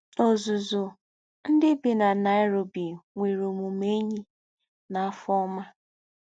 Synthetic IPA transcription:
o˨zʊ˨zʊ˨ | n̩˦dɪ˦bɪ˨na˨na˨ɪ˦ɾo˨bi˨ŋʷe˨ɾo˨mu˨me˦ɲi˦ | na˨˦fɔ˦ma˦

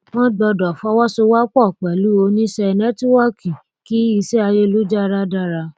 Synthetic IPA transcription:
w̃ɔ̃˦ɡ͡bɔ˧dɔ˨fɔ˦wɔ˦so˧wa˦k͡pɔ˦˨k͡pɛ˨lu˨˦o˧nĩ˦ʃɛ˧nɛ̃˦ti˦wa˦kʰi˨ | ki˦i˧sɛ˦a˧je˦lu˦d͡ʒa˦˧ɾa˦da˦˨ɾa˧

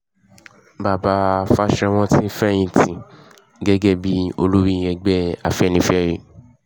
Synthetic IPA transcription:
ba˨ba˧fa˦ʃɛ˧w̃ɔ̃˦ti˦fɛ˦˨j̃ĩ˧tĩ˨ | ɡɛ˦ɡɛ˦˨bi˦o̰˧lu˦ɾĩ˦˨˧ɛ˧ɡ͡bɛ˦a˨fɛ˦nĩ˧˦fɛ˦˨ɾi˨˧

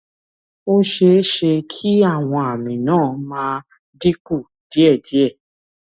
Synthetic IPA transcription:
o˦ʃe˧˦ʃe˧kʰi˦a˦˨w̃ɔ̃˧a˨mĩ˨nãː˦˨mãː˧˦˧ | di˦ku˦˨ | d̥i˨˦ɛ˦˨di˨˦ɛ˦˨

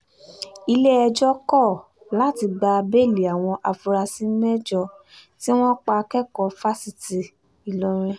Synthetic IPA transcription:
i˧le˦ɛ˧d͡ʒɔ˦kɔ˦˨ | la˨˦ti˧ɡ͡ba˧be˦˨li˨a˨w̃ɔ̃˧ʔa˧fu˧ɾa˧si˦mɛ˦d͡ʒɔ˧ | ti˦w̃ɔ̃˦k͡pa˧kɛ˦˨kɔ˧fa˦si˨ti˨ | i˨lɔ˧ɾ̃ĩ˧

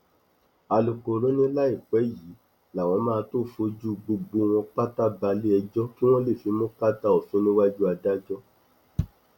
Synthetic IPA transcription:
a˨lu˨ko˨ɾo˨˦nĩ˦la˦i˦˨k͡pɛ˨˦ji˨˦ | la˨w̃ɔ̃˧mãː˦˧to˦˨fo˧˦d͡ʒu˦ɡ͡bo˧ɡ͡bo˧w̃ɔ̃˧k͡pa˦ta˦ba˧li˦ɛ˧d͡ʒɔ˦ki˦w̃ɔ̃˦le˦˨fi˨˦mõ˦ka˦ta˦ɔ˨so˨˦nĩ˦wa˦d͡ʒu˦a˧da˦d͡ʒɔ˦

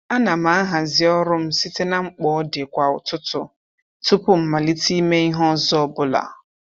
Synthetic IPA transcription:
a˦na˨ma˨a˦ɦa˨zɪ˦ɔ˦ɾʊ˦m̩˦si˦te˦na˦ŋ͡m̩˦k͡pɔ˦de˨kʷa˨ʊ̰˨tʊ˦tʊ˦ | tu˦pʊ˦m̩˨ma˨li˦ti˦me˦i˦ɦɔ˦zɔ˦bʊ˦la̰˨

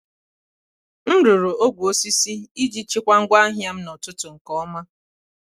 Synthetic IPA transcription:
n̩˦ɾu˨ɾu˨o˦ɡʷo˦si˦si˦i˦d͡ʒi˦t͡ʃi˦kʷa˦ŋ̩˦ɡʷa˦ɦja˦m̩˦nɔ˨tʊ˦tʊ˨ŋ̩˨kɔ˦ma˦

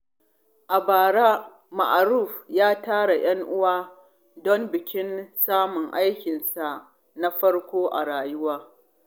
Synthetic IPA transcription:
ʔa˨baː˨ɽaː˦ | ma̰˨ʔa˨ɾuː˦˨ɸjaː˦taː˦ɽa˨j̰ʔɐ˦ŋʔʊ˦waː˦ | dɔ˦mbɪ˨kʲɪ˦nsaː˦mʊ˨ŋʔa˦jkʲɪ˨nsa˨ | na˦ɸɐ˦ɽkʷoː˦ʔa̰˨ɽaː˨jʊ˦waː˦

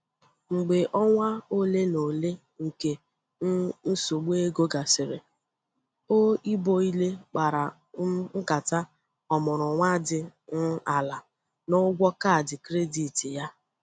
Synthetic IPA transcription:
ŋ͡m̩˨ɡ͡be˨ʔɔ˦ŋʷa˦o˦le˦no˨le˦ | ŋ̩˨ke˨˦ | n̩˦so˨ɡ͡be˦ɡo˦ɡa˨sɪ˨ɾɪ˨ | o˦i˦bo˦i˦le˦k͡pa˨ɾa˨ | ŋ̩˦ka˨ta˦ | ɔ˨mʊ˨ɾʊ˨ŋʷa˦dɪ˨n̩˦a˨la˨ | no˦ɡʷɔ˦ka˦˨dɪ˨kɾe˦di˨tɪ˨ja˦

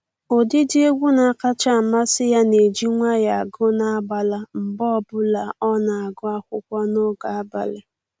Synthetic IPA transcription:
o˨dɪ˦di˦e˦ɡʷu˦na˨ka˦t͡ʃa˦˨ma˦sɪ˦ja˦ne˨d͡ʒi˦ŋʷa˦ja˨a˨ɡʊ˦na˦a˦ba˨la˦m̩˨bɔ˦˨bʊ˦la˨ɔ˦na˨a˨ɡʊ˦a˦kʷʊ˦kʷɔ˦no˦ɡa˨a˦ba̰˨le˨

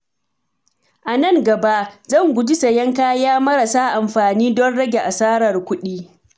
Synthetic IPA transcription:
ʔa˨nɐ˦˨ŋɡɐ˨ba˦ʔzɐ˦˨ŋɡʷʊ˨d͡ʒɪ˦sɐ˨jɐ˦ŋkaː˦jaː˦mɐ˦ɽɐ˨saː˦ʔa˨mɸaː˨niː˦dɔ˦nɽɐ˦ɡʲe˨ʔa˨saː˦ɽɐ˨rkʷʊ˦ɗiː˦

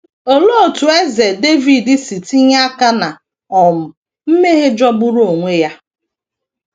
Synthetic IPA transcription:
o˨lo˦o˨tu˨e˦ze˨de˦vi˨dɪ˦si˨ti˦ɲ˦a˦ka˦na˨ | ɔ˨m̩˨ | m̩˦me˦ɦe˦d͡ʒɔ˦ɡ͡bʊ˦ɾu˦o˨ŋʷe˦ja˦

